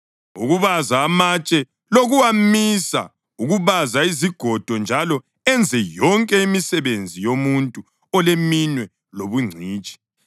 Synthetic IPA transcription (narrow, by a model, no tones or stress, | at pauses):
ṵɣuβazaːmat͡ʃʼɛ | loɣuwamisa̰ | uɣuβazaiziɡ̥ʱɔd̥ʱɔnd͡ʒʱalɔ | ɛnd͡zʱɛjɔŋkʼɛimisɛβend͡zʱijomuntʼu | ɔleminwɛ | loβuŋ͡ǀʱiːt͡ʃʼi̥